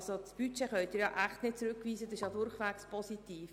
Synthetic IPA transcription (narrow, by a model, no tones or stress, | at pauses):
sot͡sb̥yt͡ʃeχœʏtdɪːɾjɑ̰ʔæχtnɪt̚t͡sɾʉkːʋiːsədɑsɪʃjɑdʊɾχʋækspʰɔsitiːf